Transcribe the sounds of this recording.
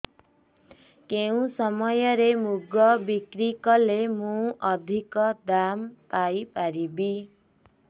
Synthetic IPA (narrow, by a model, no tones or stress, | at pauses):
kew̃sʌmʌjʌɾemuɡʌbikrikʌlemuʔʌd̪ʱikʌd̪ampajpaɾibi